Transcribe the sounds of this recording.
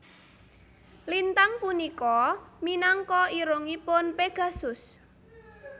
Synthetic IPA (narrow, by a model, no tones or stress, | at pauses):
lint̪aŋpunikɔminaŋkɔiɾoŋipʊnpeɡ̥a̤sʊs